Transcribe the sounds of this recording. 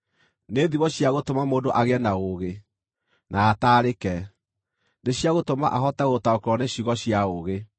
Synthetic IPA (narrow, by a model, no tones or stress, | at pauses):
neðiβɔɕjaɣotomamoːdoʔaɣeɛnaoɣe | nʔaːtaːɾekɛ | neɕiaɣotoma̰ʔaɦɔtɛɣotaokɾɔneɕiɣɔɕiaoɣe